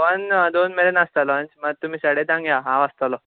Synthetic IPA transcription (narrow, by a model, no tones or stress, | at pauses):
ʋənd̪onmeɾenast̪alɔənd͡ʑməɡ̚t̪um̤iːsəɽet̪ãŋɡjaɦãʋəst̪alɔ